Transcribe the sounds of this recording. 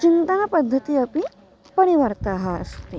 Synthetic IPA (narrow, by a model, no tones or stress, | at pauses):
t͡ʃint̪ənapəd̪ʱːət̪iəpi | pəɽiʋəɾt̪aɦaə̰st̪e